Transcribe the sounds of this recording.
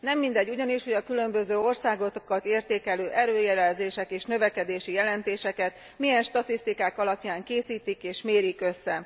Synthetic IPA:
nɛmːind̪ɛɟːuɟɒniʃho̞ɟɒkylø̞mbø̞zøːo̞rsaːɡo̞t̪okɒt̪eːrt̪eːkɛløːʔɛɾøːjɛɾɛlzeːʃɛkeːʃnø̞vɛkɛd̪eːʃijɛlɛnt̪eːʃɛkɛt̪ | mijɛnʃt̪ɒt̪ist̪ikaːkɒlɒpjaːŋkeːsiːt̪ikeːʃmeːɾikø̞sːɛ

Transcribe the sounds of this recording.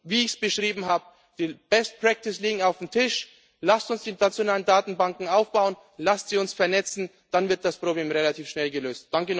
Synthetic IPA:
viːɪçsb̥əʃʁ̥iːbm̩haːbə | d̥iːb̥ɛst̚pʁ̥ɛk̚tɪsliːɡŋ̩aʊfm̩tʰɪʃ | lastʊnsd̥iːnat͡sjonaːləndaːtn̩baŋkŋ̩aʊfb̥aʊən | lastz̥iːʊnsfɛɐnɛt͡sn̩ | d̥anvɪɐt̚d̥aspʁ̥obleːmʁelatʰiːfʃnɛlɡəløːstd̥aŋkən

